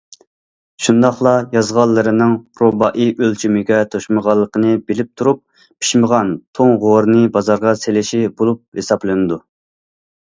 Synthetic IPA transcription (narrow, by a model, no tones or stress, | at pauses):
ʃund̪ɑχlˠɑjɑzʁɑlˠːɨɾɨnɨŋpɾobɑʔiʔølt͡ʃʰymɪɡʲɛt̪ʰoʃməʁɑlˠːəqənɨbɪlɪp̚t̪ʰuɾup̚ | pʰi̥ʃməʁɑnt̪ʰoŋʁoɾnɨbɑzɑɾʁɑselɪʃibolˠup̚hesɑplˠɨnɨd̪u